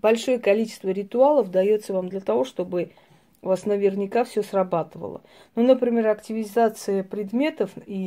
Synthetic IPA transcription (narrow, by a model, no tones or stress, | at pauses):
b̥ɐlʲʂo̞jəkɐlʲit͡ɕɪ̥st̪vəɾʲɪt̪ʊalˠəfd̪ɐjo̞t̪səvamd̪lʲət̪ɐvo̞ʂt̪o̞bɨ | vasnəvʲɪrnʲɪkafsʲɵsrɐbat̪ɨvə̰lˠə̰ | nunəpɾʲɪmʲe̞ɾɐktʲɪvʲɪzat̪sɨjəpɾʲɪd̪mʲe̞t̪əfi